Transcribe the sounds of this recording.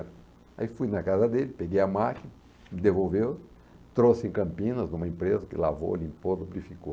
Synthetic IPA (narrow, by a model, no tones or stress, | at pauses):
ɾ | a̰ifujnɐkazɐd̪elɪpeɡejɐamakinɐ | mɪd̪evowvew | t̪ɾosɪẽkɐ̃mpĩnɐznũmɐẽmpɾezɐkɪ̰la̰vo̰lĩmpod̪obɾifiko